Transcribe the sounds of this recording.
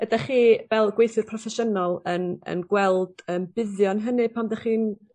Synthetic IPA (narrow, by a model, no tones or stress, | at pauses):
ədaχiːvɛlˠɡwejθɨrpʰrɔfɛʃənɔlˠənə̰nɡwɛlˠd̥əːmbɪðjɔnɦənɨpʰamdaχiːn